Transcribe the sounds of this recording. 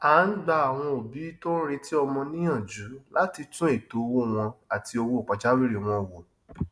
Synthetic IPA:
a˨˦n̩˦ɡ͡ba˦a˨w̃ɔ̃˧o˨bi˨˦to˦n̩˦ɾe˧ti˦ɔ˧mɔ̃˧nĩ˦ã˦˨d͡ʒu˨˦la˦ti˧tũ˦e˦˨to˨˦˧wo˦˨w̃ɔ̃˧a˨tʰi˧o˧wo˧˦˨k͡pa˨d͡ʒa˦wi˦ɾe˨w̃ɔ̃˧˨wo˨

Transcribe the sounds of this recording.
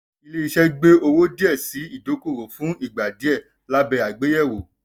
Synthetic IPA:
i˧le˦i˧ʃɛ˦ɡ͡be˦o˧wo˦di˦ɛ˦˨si˨˦i˦˨do˨˦ko˦˨ɾo˨fũ˨˦i˦˨ɡ͡ba˨di˨˦ɛ˦˨ | la˦bɛ˧˦a˨ɡ͡be˨˦jɛ˦˨wo˨

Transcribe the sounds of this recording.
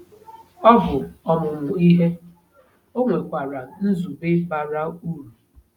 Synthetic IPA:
ɔ˦bʊ˨ɔ˨mʊ˨ŋʷʊ˨i˦ɦe˦ | o˦ŋʷe˨kʷa˨ɾa˨n̩˦zu˨be˦ba˨ɾa˦u˦ɾu˨

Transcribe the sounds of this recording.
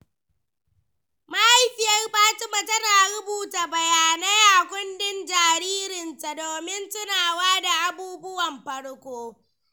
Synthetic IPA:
ma˦ʔa˦jɸɪ˨jɐ˦rɸaː˦tɪ˦mɐ˨tɐ˦ɾaː˨ɽʊ˦buː˨taː˨bɐ˨jaː˨neː˦jaː˨kʷʊ˦ndɪ˦nd͡ʒaː˨ɾiː˦ɾɪ˨nta˨doː˨mɪ˦ntʊ˦naː˨waː˦da˨ʔa˦buː˦bʊ˦wɐ˨mɸɐ˦ɽkʷoː˦

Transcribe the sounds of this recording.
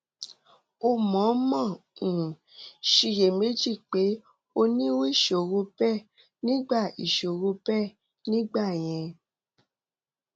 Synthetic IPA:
o˧mɔ̃˨˦mɔ̃˦˨ũ˨ | ʃi˧je˨me˦d͡ʒi˦˨k͡pe˨˦ | o˧nĩ˦we˦˨ʃo˨ɾo˧pɛ˦˨ | nĩ˦ɡ͡ba˦˨i˨ʃo˨ɾo˧pɛ˦˨ | nĩ˦ɡ͡ba˦˨j̃ɛ̃˧

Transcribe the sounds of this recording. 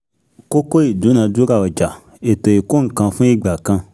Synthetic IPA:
ko˦ko˦i˦˨du˨˦nã˧du˦ɡa˦˨ɔ˨d͡ʒa˨ | e˨to˨i˨ko˦ŋ̩˨kã˧fũ˦i˦ɡ͡ba˨kã˧

